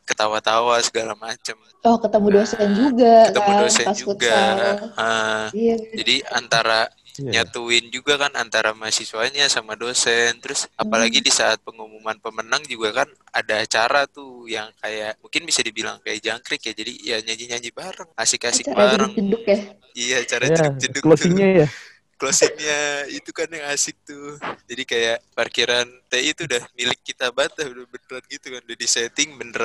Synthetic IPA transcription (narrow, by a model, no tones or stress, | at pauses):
kət̪awat̪awasə̥ɡalamat͡ʃam | ɔhkət̪əmudosɛnd͡ʒuɡaət̪əmudosɛad͡ʒuuɡaə | d͡ʒadia̰nt̪aɾa | ɲat̪uɪnd͡ʒuɡakana̰nt̪aɾamasisuaɲasamadosɛnt̪ɾʊsapalaɡidisaːt̪̚pəŋumumanpəmənaŋd͡ʒuɡakan | adaːt͡ʃaɾat̪ujaŋkajaʔmuŋkɪnbisadibila̰ŋkajaʔd͡ʒaŋkɾɪkjad͡ʒadijaɲaɲd͡ʒiɲaɲd͡ʒibaɾəŋasɪkasɪk̚baɾəŋt͡ʃədʊkja | ijaːt͡ʃaɾadkd͡ʒədʊkloiɲaja | klosikɲait̪ukanjaŋasɪk̚t̪ʊd͡ʒadikajaʔparkiɾant̪eit̪udahmilɪkːit̪abat̪adbənəɾat̪̚ɡit̪ukandadisɛt̪ɪŋbənəɾa